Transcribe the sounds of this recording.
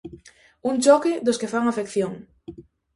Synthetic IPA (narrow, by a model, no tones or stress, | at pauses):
uŋt͡ʃɔkɪd̪oskefaŋafekθjoŋ